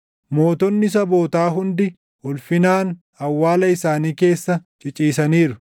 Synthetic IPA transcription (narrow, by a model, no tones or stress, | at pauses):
mo̞ːt̪ɔnːɪs̬ɐbo̞ːt̪aːɦʊnd̪ɪ | wʊlfɪnaːn | ɐwːaːlɐɪsaːniːke̞ːsːɐt͡ʃʼɪt͡ʃʼiːsɐniːɾʊ